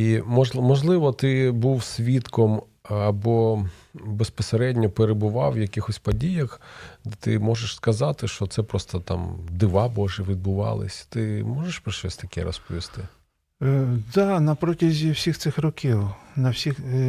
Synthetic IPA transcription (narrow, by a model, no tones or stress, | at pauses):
imɔmɔʒlˠɪʋɔt̪ɪbuwsʲʋʲit̪kɔm | ɐbɔ | bespɔseɾɛdʲnʲɔpeɾebʊʋɑwjɐkɪxɔsʲpɐdʲijɐxd̪ɛt̪ɪ̰mɔʒeʃskɐzɑt̪ɪʃt͡ʃɔt̪sɛpɾɔst̪ɔt̪ɑmd̪ɪʋɑbɔʒɛʋʲid̪̚bʊʋɑ̰lˠɪ̰sʲt̪ɪmɔʒeʃpɾɪʃɛsʲt̪ɐkɛ̰ɾɔ̰spɔʋʲist̪ɪ | d̪ɑnɐpɾɔtʲɐzʲiwsʲixt̪sɪxrɔkʲiwnɐwsʲix